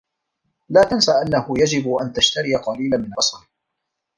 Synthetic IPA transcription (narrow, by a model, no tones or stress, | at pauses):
laːt̪ansaʔanːahʊjad͡ʒɪbʔant̪aʃt̪aɾɪjqɑliːlanmɪnɑsˤɑɾ